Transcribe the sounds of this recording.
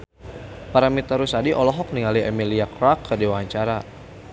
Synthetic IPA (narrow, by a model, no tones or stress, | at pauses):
paɾamit̪aɾusadiʔɔlɔɦɔk̚niŋaliɛmiliakɾakʰːədewaaɲt͡ʃaɾa